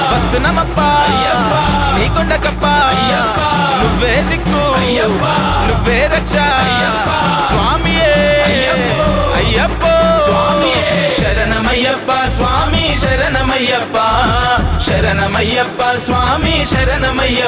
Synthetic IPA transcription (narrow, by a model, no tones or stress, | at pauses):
pɐst̪unɐmɐpːɐjɐniːkoɳɖɐkɐpːɐjːɐ | nuʋːeːd̪ikːu | nuʋːeːɾɐkʂɐ | jːɐ | sʋaːmijeɐjɐ | ɐjːɐpːosʋaːmi | ʃɐɾɐnɐmɐjːɐpːɐsʋaːmiʃɐɾɐnɐmɐjːɐpːa | ʃɐɾɐnɐmɐjːɐpːɐsʋaːmiʃɐɾɐnɐmɐjːɐ